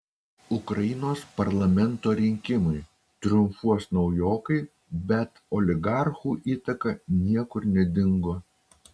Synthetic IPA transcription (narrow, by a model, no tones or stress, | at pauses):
ʊkɾɐjɪnoːspɐɾlˠɐmʲɛnt̪oːɾʲɪŋʲkʲɪmʊɪ | t̪ɾʲʊmfuɔsnɒʊjoːkɐɪ | bʲɛt̪ɔlʲɪɡɑˑɾxuːʔiːt̪ɐkɐnʲiɛkʊɾnʲɛd̪ʲɪŋɡoː